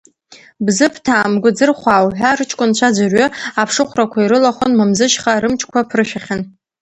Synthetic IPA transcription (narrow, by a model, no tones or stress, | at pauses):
bzɨpʰtʰaːmɡʷʊd͡zɨrχʷaːwħʷᶣarɨt͡ʃʰʼkʷʼʊnt͡ɕʷʰad͡ʒarɥʏapʰʂɨχʷrakʷʰaiɾɨlaχʷonmamzɨʃχaɾɨmt͡ʃʰʼkʷʰapʰrɨʃᶣaχʲan